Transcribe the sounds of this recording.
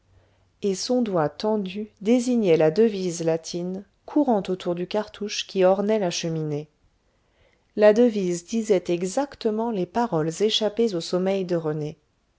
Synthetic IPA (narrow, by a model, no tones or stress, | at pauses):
esɔ̃d̪wat̪ɑ̃d̪yd̪eziɲɛlad̪əvizlat̪ʰin | kʰuʁɑ̃t̪ot̪ʰuʁd̪ykaʁt̪ʰuʃkʲiɔʁnɛlaʃəmine | lad̪əvizd̪izɛt̪ɛɡzakt̪əmɑ̃lepaʁɔlzeʃapezosɔmɛjd̪əʁəne